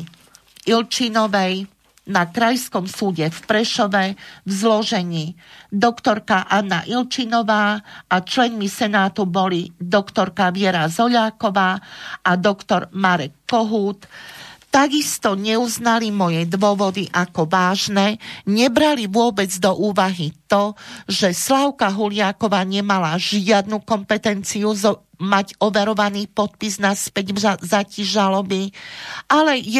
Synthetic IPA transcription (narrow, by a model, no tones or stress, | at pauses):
ilt͡ʃinɔʋɛj | nakɾajskɔmsuːɟɛfpɾɛʃɔʋɛvzlɔʒɛɲiːd̪ɔkt̪ɔɾkaʔanːaʔilt͡ʃinɔʋaːʔat͡ʃlɛnmisɛnaːt̪ubɔlid̪ɔkt̪ɔɾkaʋɪɛɾazɔʎaːkɔʋaːad̪ɔkt̪ɔɾmaɾɛkːɔɦuːt̪t̪ːaɡist̪ɔɲɛuznalimɔjɛd̪ʋʊɔʋɔd̪iʔakɔʋaːʒnɛɲɛbɾaliʋʊɔbɛd͡zd̪ɔʔuːʋaɦit̪ɔʒɛslaʊkaɦulɪakɔʋaːɲɛmalaʒɪad̪nukɔmpɛt̪ɛnt͡siuzɔ | maɟɔʋɛɾɔʋaniːpɔt̪̚piznaspɛɟzaciʒalɔbiʔalɛj